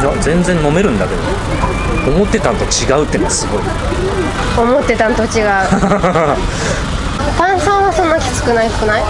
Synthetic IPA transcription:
d̪ad͡zẽ̞nd͡zẽ̞nːo̞me̞ɾɯ̟̃nd̪ake̞d̪o | omo̞t̪ːe̞t̪ãnt̪o̞t͡ɕiɡaɯ̟t̪ːe̞nosɨɡo̞i | omo̞t̪ːe̞t̪ãnt̪o̞t͡ɕiɡa | t̪ãɰ̃sãɰ̃βasõ̞nːakʲi̥sɨ̥kɯ̟naisɨ̥kɯ̟nai

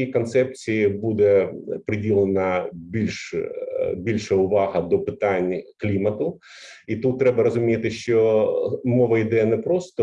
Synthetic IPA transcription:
ikɔnt̪sɛp̚t͡sʲijibud̪ɛpɾɪdʲilˠenɐbʲilʲʃ | bʲilʲʃɛʊʋɑɦɐd̪ɔpɪt̪anʲklʲimɐt̪ʊ | it̪ut̪ːɾɛbɐɾɐzʊmʲijt̪ɪʃt͡ʃɔmɔʋɐid̪ɛjɐnɛpɾɔst̪ɔ

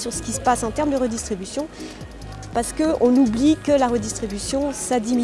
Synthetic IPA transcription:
syʁsə̥kʲisə̥pasɑ̃t̪ɛʁmd̪əʁəd̪ist̪χibysjɔ̃ | paʁsə̥kəʔɔ̃nublikəlaʁəd̪ist̪χibysjɔ̃sad̪imi

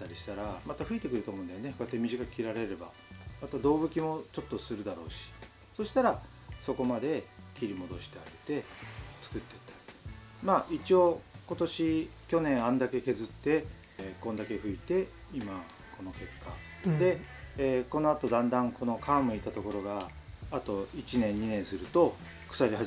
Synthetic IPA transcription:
t̪ːaɾʲiɕi̥t̪aɾamat̪aɸɯ̟it̪e̞kɯ̟ɾɯ̟t̪omõːnd̪ajonekojat̪ːe̞mʲiʑikḁkʲiɾaɾe̞ɾe̞ba̰ | mat̪ad̪o̞ːbɯ̟kʲimo̞t͡ɕo̞t̪ːo̞sɨɾɯ̟d̪aɾo̞̰ːɕi̥ | so̞ɕi̥t̪aɾa | so̞ko̞mad̪e̞kʲiɾʲimo̞d̪o̞ɕi̥t̪e̞aɡet̪e̞t͡sɨ̥kɯ̟t̪ːe̞t̪ːḁi̥ | maːʔit͡ɕio̞ko̞t̪o̞ɕikʲo̞nẽ̞ɰ̃ãnd̪ake̞ke̞zɨt̪ːe̞ | kõ̞nd̪ake̞ɸɯ̟it̪e̞ | imakʰo̞no̞ke̞kʰːa̰ | d̪e̞ | ko̞no̞at̪o̞d̪ãnd̪ãŋkʰo̞no̞kʰaːmɯ̟it̪at̪o̞ko̞ɾo̞ɡaː | t̪o̞it͡ɕinẽ̞ɲ̟ːinẽ̞ɰ̃sɨɾɯ̟t̪o̞ | kɯ̟̥saɾʲiɦa

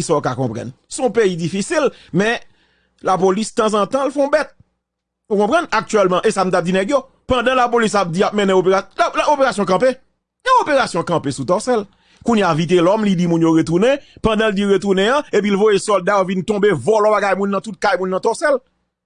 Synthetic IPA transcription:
isaokakɔ̃pʁã̰n | sɔ̃peidifisilmɛ̃ | lapolist̪ãzãt̪ãlfɛ̃ɔ̃bɛt̪̚ | ukɔ̃pʁãnak̚tyɛlmãʔesam̩t̪ap̚d͡zinɛɡjo | pãdãlapolis̬ap̚d͡ziap̚mɛ̃nɛ̃opeaopeʁasjɔ̃k̬ɐ̃pe | jãopeʁasjɔ̃kɐ̃pesut̪ɔsɛl | kunjavit̬elɔmlidimũnjoʁet̪unɛ̃pãdãldiʁet̪unɛ̃jãep̬ilvojesɔldajovint̪ɔ̃bevɔlɔ̃baɡajmũnːɐ̃t̪ut̪̚kajmũnːãt̪ɔsɛl

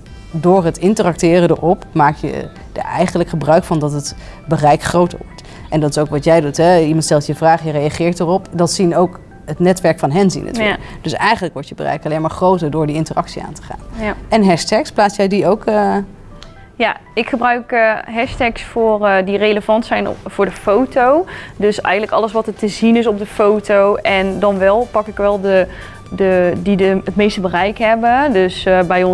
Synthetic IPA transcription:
dʊːɹɦətɪntərɑk̚tɪːrədə̰rɔpmaːkjə̰ | də̰ɛ̰jχənləkχəbrœɥkfɑndɑtət | bərɛjkχrowtə̰ɹʋɔ̰ɹt | ʔɛndɑtɪ̥soʊwkʋɑtjɛjdutɦɛimɑntstɛlˠtjəvraːχjərejaχɪːɹtərɔpdɑtsinowk | ətnɛtʋɛɹkfɑnɦɛnzḭnʔə̰tyd̥øsɛjχənləkʋɔɹtjəbərɛ̰jkɑlejmaːɹχrowtəɹdʊːɹdiɪntərʔɑ̰ksia̰ːntə̥χa̰ːnɛnɦɛstɛksplaːsjɛjdiowkə | jaɪkχəbrœɥkɦɛstɛksfʊːrdirejləvɑntsɛjnfʊːɹdəfowtowdøsɛ̰jəntləkɑ̰ləsʋɑtətəzinɪs̬ɔp̚dəfowtowɛndɑnʋɛlˠpɑkɪkʋɛlˠdə | dədidəətmejstəbərɛjkɦɛbədøsbɛjɔ

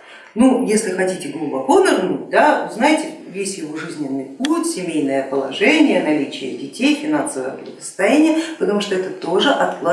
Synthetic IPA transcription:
nujesʲlʲɪxɐtʲitʲɪɡlˠʊbɐkonɐʐnut̚ʲd̪aʊznajɪtʲɪvʲesʲjɪvo̞ʐɨzʲnʲɪnːɨjputʲsʲɪmʲejnəjəpəlˠɐʐɛnʲɪjənɐlʲit͡ɕɪjə̰dʲɪtʲejfʲɪnansəvə̰jə̰ɡtʲɪvə̥st̪ɐjænʲɪjəpət̪ɐmuʂt̪oɛt̪ət̪o̞ʐɨʔɐt̪lˠɐ

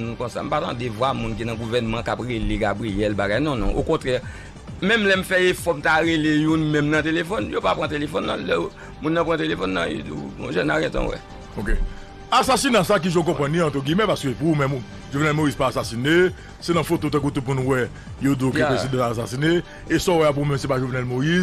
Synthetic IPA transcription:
nũkɔ̃sa̰m̩pat̪ã̰devwamũnk̬inãɡuvɛnmãkapʁeleɡabʁiɛlbaɡajnɔ̃nɔ̰̃ʔokɔ̃t̪ʁɛ | mɛ̃mlɛm̩fɛefɔm̩taʁelejũnmɛ̃mnɐ̃t̪elefɔnjopapʁãt̪elefɔnːã̰lɛ | mũnːãpʁãt̪elefɔnːã̰jḭdṵṵ̃ʒɛnaɡɛ̃t̪ɔ̰̃wɛ̰ | oke | asasinãsak̬iʒõkɔ̃pãniãtoɡimɛ̃paskøpumɛ̃m | ʒovnɛlmoizpaːsasine | senɐ̃fotot̪̬ɛ̃k̬ut̪up̬unũwɛ | joduokkɛ̃pesid̪aaas̬asine | esɔwɛap̬uumɛ̃msepaʒovnɛlmoiz

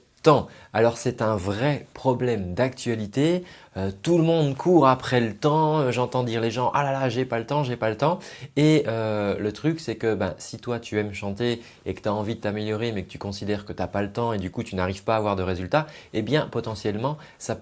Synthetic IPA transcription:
t̪ɑ̃alɔʁsɛt̪ɛ̃vʁɛpχɔblɛmd̪ak̚t̪ɥalit̪e | øt̪uləmɔ̃d̪kʰuʁapχɛlət̪ɑ̃øʒɑ̃t̪ɑ̃d̪iʁleʒɑ̃ʔalalaʒepalət̪ɑ̃ʒepalət̪ɑ̃eølət̪χyksɛkəbɛ̰̃sit̪wat̪yɛmʃɑ̃t̪e | ekət̪aɑ̃vid̪ət̪ameljɔʁemɛkə̥t̪y̥kɔ̃sid̪ɛʁkət̪yapalət̪ɑ̃ed̪ykut̪ynaʁiv̥paːvwaʁd̪əʁezylt̪aebjɛ̃pɔt̪ɑ̃sjɛlmɑ̃ | sa

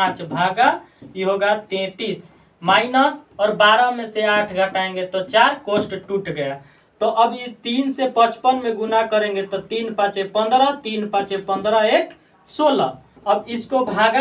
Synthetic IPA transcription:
ãt͡ʃbʱaɡa | iɦoɡat̪ẽt̪is | mainəsɔːɾbaɾəmeseaʈʰɡʱəʈaẽŋɡet̪ɔt͡ʃaɾkosʈʈuʈɡəja | t̪ɔʔəbit̪insepət͡ʃpənmeɡunakəɾẽŋɡet̪ɔt̪inpãt͡ʃepənd̪ɾət̪inpãt͡ʃepə̃nd̪ɾəek | sola | əbiskobʱaɡa

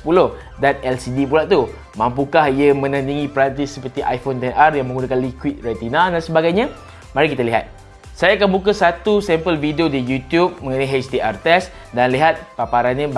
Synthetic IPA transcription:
puloh | danɛlsidipulaʔt̪u | mãmpukahiəmə̃nãnt̪iŋĩpɾant̪isːəpərt̪iʔa̰jfont̪ɛnʔarjaŋmə̃ŋɡunakanlikwit̪̚rat̪inãdansəbaɡajɲã | maɾikit̪aliɦa̰t̪̚ | sajaːkanbukasat̪usɛmpəlvidiodijut̪jup̚mə̃ŋənajɦet͡ʃt̪iʔart̪ɛs | danliɦat̪̚papaɾanɲãb

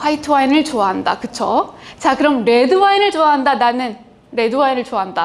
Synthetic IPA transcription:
ɸʰaitʰɯwainɯɭt͡ɕoaɦandakɯt͡ɕʰot͡ɕakɯɾʌmɾe̞dɯwainɯɭt͡ɕoaɦandananɯn | ɾe̞dɯwainɯɭt͡ɕoaɦanda

